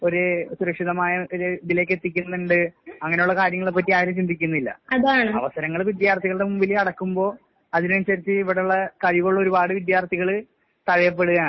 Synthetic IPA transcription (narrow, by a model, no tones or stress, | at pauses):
o̞ɾusuɾɐkʂiðɐmaːjɐʔoɾud̪ile̞ːkːe̞t̪ːikʲːunːɨɳɖɨɐŋːɐneuɭːɐkaːɾjɐŋːɐɭepːɐt̬ːiaːjɾɐmt͡ɕind̪ʱikʲːunːɐilːɐ̰ɐðaːɳɨɐ̰ʋɐsɐɾɐŋːɐɭʋid̪jaːrt̪ʰiɣɐɭɖe̞mumbilɐɽɐkːumbo̞ː | ɐðinnsɐɾit͡ɕːɨiʋiɽeuɭːɐkɐɻiʋuɭːɐo̞ɾubaːɽɨʋid̪jaːrt̪ʰiɣɐɭɨ | t̪ɐɻɐjɐp̬ːeɽuɣaːɳɨ